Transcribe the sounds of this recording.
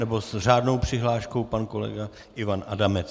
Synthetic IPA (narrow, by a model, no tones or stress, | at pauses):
nɛbo̞sr̝aːdno̞wpr̥ɪɦlaːʃko̞wpanko̞lɛ̰ɡa | ʔɪvanʔadamɛt͡s